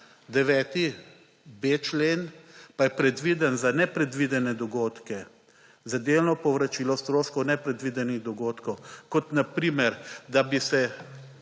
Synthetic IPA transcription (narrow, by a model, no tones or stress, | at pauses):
d̪ɛʋɛːt̪i | bet͡ʃleːnpajɛpɾɛd̪ʋiːd̪ənzanɛpɾɛd̪ʋid̪ɛnɛd̪ɔɡoːt̪kɛ | zad̪elnɔpɔʋɾat͡ʃiːlɔst̪ɾoːʃkɔwnɛpɾɛd̪ʋid̪ɛniɣd̪ɔɡoːt̪kɔwkɔt̪napɾiːmɛɾd̪abisɛ